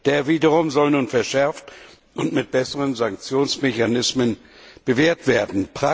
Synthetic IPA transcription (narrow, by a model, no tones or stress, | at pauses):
d̥eːɐviːdəʁʊmzɔlnuːnfɛɐʃɛɐft | ʔʊntmɪt̚b̥ɛsəʁənzaŋk̚t͡sjoːnsmeçanɪsmən | b̥əveːɐtv̥eːɐdn̩pʁ̥a